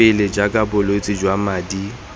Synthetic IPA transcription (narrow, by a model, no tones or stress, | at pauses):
ɪled͡ʒakʼabʊloit͡sʼɪd͡ʒwamaːdi